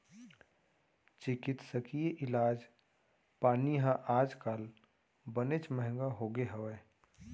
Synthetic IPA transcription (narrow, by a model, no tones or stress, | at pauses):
t͡ʃɪkɪt̪səkijeʔɪlaːd͡ʒ | paːniɦãʔaːd͡ʒkaːl | bənet͡ʃməɦɪ̃ŋɡaɦoːɡeɦəwɛː